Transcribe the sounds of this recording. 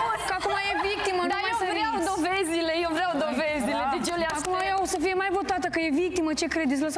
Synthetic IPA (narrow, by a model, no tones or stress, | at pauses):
kəakumajevik̚t̪iməd̪ajesəɾeawd̪ovezile̞jewvɾeawd̪oveziled̪et͡ʃeleaakumajasəfije̞majvo̞t̪at̪əkəje̞vik̚t̪imət͡ʃe̞kɾed̪it̪̬ləs